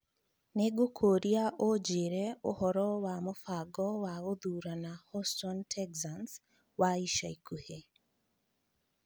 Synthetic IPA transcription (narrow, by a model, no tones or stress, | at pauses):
neɡokʰoɾiaʔod͡ʒeɾɛo̰hɔɾɔwamofaɡɔwaɣoðuːɾanahɔstɔntʰɛɡzans | waiʃaikuhe